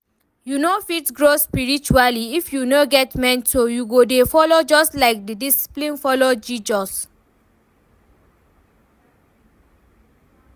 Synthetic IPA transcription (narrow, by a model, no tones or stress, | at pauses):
junofitɡɹospiɹit͡ʃualiifjunoɡɛtmɛ̃nsojuɡodefɔlod͡ʒɔstlaɪk̚didisi̥plĩnfɔlod͡ʒid͡ʒɔs